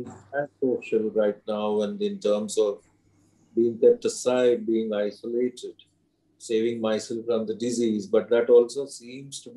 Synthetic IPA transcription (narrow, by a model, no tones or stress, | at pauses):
æ̃soːʃəlɾaɪʈ̚naʊæ̃ɳɖɪ̃nʈəːɾmzɔʋ | biːɪ̃ŋkɛp̚ʈəsaɪɖ̚biːɪ̃ŋaɪsəleːʈʰɪɖ | seːʋɪ̃ŋmaɪsɛlfɾɔ̃md̪əɖɪziːzbʌʈ̚d̪æʈɔːlsoːsĩːmz̥ʈub